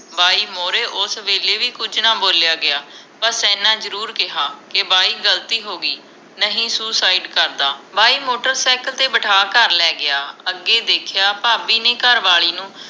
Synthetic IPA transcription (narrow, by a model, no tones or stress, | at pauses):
baːiːmoːɾeːʔʊsʋeːleːʋiːkʊd͡ʒnãːboːljaːɡɪaː | pəɾsɛːnãːzəɾuːɾkɪɦaːkɪbaːiːɡəlt̪iːɦoːɡiː | nəɦĩːsuːsaːiɖkəɾd̪aːbaːiːmoːʈəɾsɛːkəlt̪eːbəʈʰaːkəɾlɛːɡɪaːəɡːeːd̪eːkʰjaːpaːbiːneːkəɾʋaːɭiːnũː